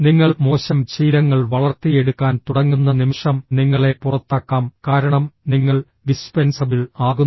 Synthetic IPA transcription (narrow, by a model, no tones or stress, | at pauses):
niŋːɐɭmo̞ːɕɐmt͡ɕiːɾɐŋːɐɭʋɐɭɐrt̪ːijeɽukːaːnt̪uɽɐŋːunːɐnimiʂɐmniŋːɐɭe̞purɐt̪ːaːkːaːmkaːɾɐɳɐmniŋːɐɭ | ɖispensɐbilaːɣunː